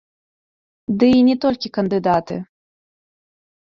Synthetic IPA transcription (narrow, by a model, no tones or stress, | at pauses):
d̪ɨinʲɛt̪ɔlʲkʲikɐnd̪ɨd̪at̪ɨ̰